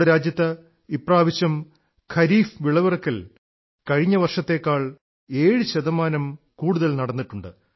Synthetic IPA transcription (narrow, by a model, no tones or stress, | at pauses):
ɽɐɾaːd͡ʑjɐt̪ːɐ | ipraːʋiɕɐm | kʰɐɾiːfʋiɭɐʋirɐkːɐl | kɐɻiɲːɐʋɐrʂɐt̪ːe̞ːkːaːɭ | e̞ːɻɨɕɐðɐmaːnɐm | kuːɽuðɐlnɐɽɐnːiʈːuɳɖɨ